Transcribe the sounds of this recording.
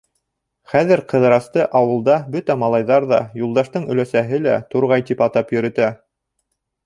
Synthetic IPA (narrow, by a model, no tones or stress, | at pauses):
χæðɘɾqɤ̆ðɾɑst̪ɤʔɑwɤ̆lˠd̪ɑbɵt̪æmɑlˠɑjðɑɾðɑjulˠd̪ɑʃt̪ɤɴɵ̆læsæɦɘlæt̪uɾʁɑjt̪ipɑt̪ɑpjɵ̆ɾɘ̆t̪æ